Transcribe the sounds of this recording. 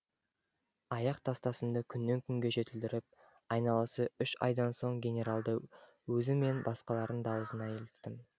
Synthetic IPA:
ɑjɑqt̪ʰɑst̪ɑsənd̪əkʲʰʏnːe̞ŋkʲʰʏŋɡʲe̞ʒe̞t̪ɪld̪ɪɾɪp̚ | ɑjnɑlˠəsəʏʃɑ̰jd̪ɑnso̞ɴɡʲe̞nʲe̞ɾalˠd̪ə | wɵzɪme̞nbɑsqɑlˠɑɾənd̪ɑwəzənɑjʰelɪkt̪ːɪm

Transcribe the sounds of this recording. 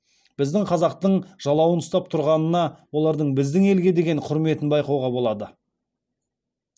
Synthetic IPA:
b̥ɪzd̪ɪŋqʰɑzɑq̚t̪əɴʒ̥ɑlˠɑwənʊst̪ɑp̚t̪ʰʊɾʁɑnənɑwo̞lˠɑɾd̪əɴbɪzd̪ɪŋe̞lɡʲe̞d̪e̞ɡʲe̞ɴqʰʊɾme̞t̪ɪnbɑjqɑwʁɑbo̞lˠɑd̪ə

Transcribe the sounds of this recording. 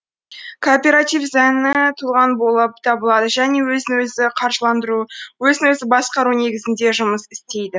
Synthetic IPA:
kʰoːpʲe̞ɾat̪ifzænɪt̪ʰulˠʁɑnbo̞lˠəp̚t̪ʰɑbəlˠɑd̪əʒæne̞wɵzɪwɵzɪqʰɑɾʒəlˠɑnd̪əɾuwɵzɪnwɵzɪbɑsqɑɾune̞ɡʲɪzɪnd̪e̞ʒʊməsɪst̪e̞jd̪ɪ

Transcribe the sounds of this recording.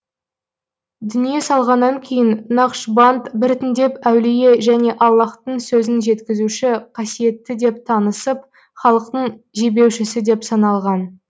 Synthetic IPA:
d̪ʏnije̞sɑlˠʁɑnːɑŋkʲʰe̞jɪnnɑqʃbant̪bɪɾt̪ɪnd̪e̞pæwlije̞ʒæne̞ʔɑlˠːɑqt̪əɴsɵzɪnʒe̞t̪kʲɪzuʃɪqʰɑsije̞t̪ːɪd̪e̞p̚t̪ʰɑnəsəp̚ | χɑlˠəqt̪əɴʒebe̞wʃɪsɪd̪e̞psɑnɑlˠʁɑn

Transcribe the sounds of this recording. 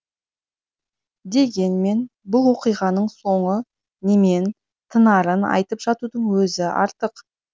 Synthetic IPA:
d̪e̞ɡʲe̞nme̞nbʊlˠwo̞qijʁɑnəɴso̞ɴə | ne̞me̞n | t̪ʰənɑɾənɑ̰jt̪əpʒɑt̪ud̪əɴwɵzɪɑ̰ɾt̪əq

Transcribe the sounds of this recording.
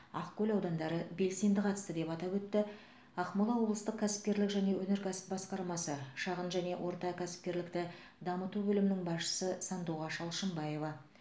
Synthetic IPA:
ɑ̰qkʲɵlʲɑwd̪ɑnd̪ɑɾəbe̞lse̞nd̪ɪqʰɑt̪ə̥st̪əd̪e̞pɑt̪ɑpwɵt̪ːɪ | ɑqmolˠɑwo̞blˠəst̪əqkʲʰæsɪ̥p̚kʲe̞ɾlɪkʒæne̞wɵneɾkʲʰæsɪ̥pbɑsqɑɾmɑsəʃɑʁənʒæne̞wʔo̞ɾt̪ɑkʲʰæsɪ̥p̚kʲe̞ɾlɪkt̪ɪ | d̪ɑmət̪ubɵlɪmɪnɪŋbɑsʃə̥səsɑnd̪uʁɑʃɑlˠʃəmbɑje̞vɑ

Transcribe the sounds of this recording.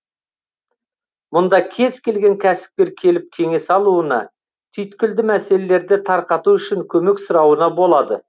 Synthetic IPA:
mʊnd̪ɑkʲʰe̞zkʲʰe̞lɡʲe̞ŋkʲʰæsɪ̥p̚kʲe̞ɾkʲʰe̞lɪp̚kʲʰe̞ŋe̞sɑlˠuənɑ̰ | t̪ʰʏjt̪kʲɪld̪ɪmæse̞lele̞ɾd̪ɪt̪ʰɑɾqɑt̪uʏʃɪŋkʲʰɵme̞ksʊɾɑwənɑbo̞lˠɑd̪ə

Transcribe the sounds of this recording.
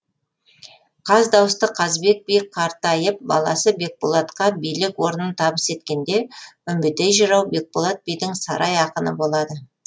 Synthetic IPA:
qʰɑzd̪ɑwəst̪əqʰɑzbe̞k̚bijkʰɑɾt̪ɑjəp̚bɑ̰lˠɑsəbe̞k̚polˠat̪qɑbijlɪkwo̞ɾənənt̪ʰɑbəse̞t̪kʲe̞nd̪e̞ʏmbɪt̪ejʒəɾɑwbe̞k̚polˠat̪̚bijd̪ɪŋsɑ̰ɾʔɑjɑqənə̰bo̞lˠɑd̪ə

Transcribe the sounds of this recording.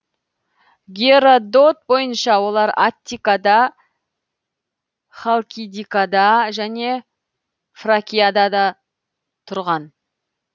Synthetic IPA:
ɡʲeɾod̪o̞t̪̚bo̞jənʃɑwo̞lˠɑɾat̪ʲːikad̪ɑ | χalˠkʲid̪ikad̪ɑʒæne̞ | frakʲijad̪ɑd̪ɑ | t̪ʰʊɾʁɑn

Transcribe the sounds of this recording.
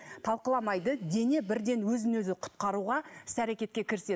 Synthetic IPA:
t̪ʰɑlˠqəlˠɑmɑjd̪əd̪e̞ne̞bɪɾd̪e̞nwɵzɪnwɵzɪqʰʊ̥t̪̚qɑɾuʁɑɪsæɾekʲe̞t̪kʲe̞kʲʰɪɾɪse̞

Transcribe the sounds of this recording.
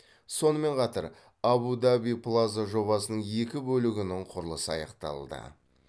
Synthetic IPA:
so̞nəme̞ɴqʰɑt̪əɾ | abud̪abijpʰlˠazaʒo̞bɑsənəɴe̞kʲɪbɵlɪɡʲɪnɪŋqʰʊɾəlˠəsəɑjɑ̰qt̪ɑ̰lˠd̪ə̰

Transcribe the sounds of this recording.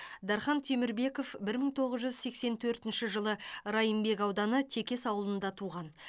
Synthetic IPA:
d̪ɑɾχɑnt̪ʰe̞mɪɾbe̞ko̞fbɪɾməŋt̪ʰo̞ʁəzʒʏzse̞kse̞nt̪ʰɵɾt̪ɪnʃɪʒəlˠəɾɑjəmbe̞kɑwd̪ɑnət̪ʰe̞kʲe̞sɑwəlˠənd̪ɑt̪ʰuʁɑn

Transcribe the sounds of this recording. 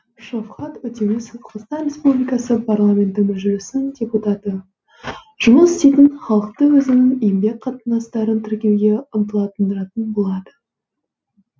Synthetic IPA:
ʃofχɑt̪ʏt̪enɪsqʰʁt̪ɑnrʲe̞spublijkɑsəpʰarlˠamʲe̞nt̪ɪmʏʒɪlɪsɪŋdʲe̞put̪ɑt̪ə | ʒ̥ʊməsɪ̥st̪ejt̪ɪnχɑlˠəq̚t̪əwɵzɪnɪŋejmbe̞k̚ʲqʰɑt̪ənd̪ɑst̪ɑɾənt̪ʰɪɾkʲe̞wɡʲe̞ʊmt̪əlˠɑt̪ənd̪əɾɑt̪ənbolˠɑd̪ə

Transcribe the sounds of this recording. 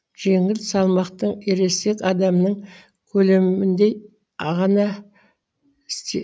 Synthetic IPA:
ʒ̥e̞ŋɪlsɑlˠmɑqt̪əɴe̞ɾe̞se̞kɑd̪ɑmnəɴ | kʲʰɵle̞mmɪnd̪e̞ | ɑʁɑnɑ | ɪst̪e

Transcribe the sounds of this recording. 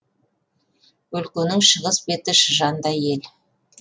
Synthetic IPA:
ɵlkʲenɪŋʃəʁəsbe̞t̪ɪʃəʒɑnd̪ɑje̞l

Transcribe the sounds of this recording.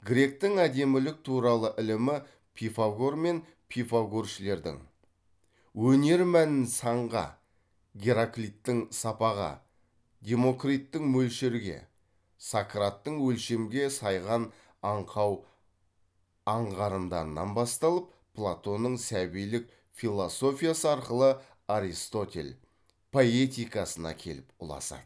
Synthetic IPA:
ɡɾʲe̞k̚t̪ɪŋæd̪e̞mɪlɪk̚t̪ʰuɾɑlˠəʔɪlɪmɪ | pʰifaɡo̞rme̞n | pʰifaɡorʃɪle̞ɾd̪ɪ̰ŋ | wɵne̞ɾmænɪnsɑɴʁɑ̰ | ɡʲeɾaklʲit̪ːɪŋsɑpɑʁɑ̰ | d̪ʲe̞mo̞krit̪ːɪŋmɵlʃeɾɡʲe̞̰ | sakrat̪ːəɴwɵlʃe̞mɡʲe̞sɑjʁɑn | ɑɴqʰɑw | ɑɴʁɑɾənd̪ɑ̰ɾənːɑ̰nbɑst̪ɑlˠəp̚ːʰ | lˠat̪o̞nəɴsæbijlɪk̚ | fʲilˠoso̞fʲijasəɑɾqəlˠə | aɾist̪o̞t̪ʲe̞̰l | pʰo̞e̞t̪ijkɑsənɑ̰kʲʰe̞̰lɪpʊ̰lˠɑ̰sɑ̰d̪ə

